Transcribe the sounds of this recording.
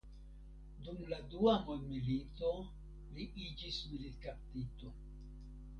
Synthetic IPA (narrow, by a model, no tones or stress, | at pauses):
dumladuamonmilito̞ | liʔid͡ʒismilitkap̚tito̞